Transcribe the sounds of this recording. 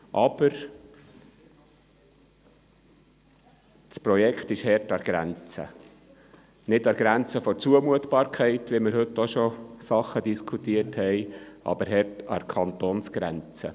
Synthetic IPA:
ʔɑb̥əɾ | spɾɔjɛkʰt̪ɪʃhɛrtɑɾɡ̥ɾæ̰nt͡sə̰ | nɪtɑɡ̥ɾænt͡səfɔɾt͡suəmuət̪b̥ɑːɾkʰɛɪtʋimɪɾhɵt̪ːɔʃɔsɑχːədiskʰut̪iəthɛɪʔɑ̰bəɾɦɛrtɑ̰ɾkʰɑnt̪onsɡ̥ɾænt͡sə

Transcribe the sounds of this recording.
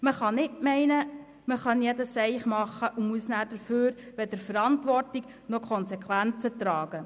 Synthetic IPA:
məχɑnɪtmɛɪnə | məχœnjɛdəsɛɪχmɑχːəʔumuəsnæːdəɾføːɾ | ʋɛd̥̪əɾfəɾɑntʋɔrtɪɡ̥ | nɔkʰɔnsɛkʰʋænt͡sət̪ɾɑːɡ̥ə

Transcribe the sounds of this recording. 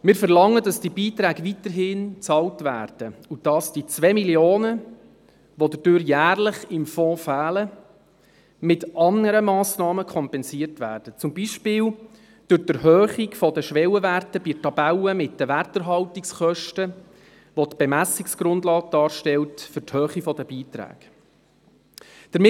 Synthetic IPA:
mɪːɾfəɾlɑŋːədɑsd̥ibiːtɾæːɡ̥əvitəɦɪnt͡sɑltvæ̰ːrd̥əud̥ɑsd̥it͡sʋɛːmiljoːnə | ʋodəd̥øːɾjæːrlɪχɪmfɔ̃ːfæːlə | mɪtʔɑnəɾəmɑːsnɑːməkʰɔmpɛnsiərtʋæ̰ːɾd̥ət͡sʊmbiʃpɪːl | d̥ʉɾtəɾɦœːχikfɔdəʃʋɛwəʋærtəbitɑbæləmɪtdəʋærtəɾɦɑltiksχœʃtə | ʋɔtb̥ɛmæsiksɡ̥ɾʊndlɑːɡ̚d̥ɑːɾʃtɛltfʏɾthøːχifɔdəbiːtɾæ̰ːɡ̥ | d̥əɾm

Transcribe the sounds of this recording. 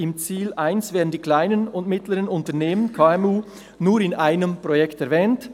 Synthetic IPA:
ɪmt͡siːlʔaɪnsvɛːɐdn̩diːkl̥aɪnənʊntmɪtləʁənʊntɐneːmənkʰaːɛmuː | nuːɾɪnʔaɪnəmpʁ̥ojɛktɛɾvɛːnt

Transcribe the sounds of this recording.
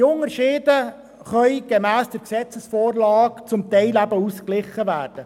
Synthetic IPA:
ʊŋəɾʃɪːdə | χœʏɡ̥emæːsd̥əɾksɛt͡səsfoːrlɑːkt͡sʊmt̪ɛɪlæbəusklɪχːəvæːrd̥ə

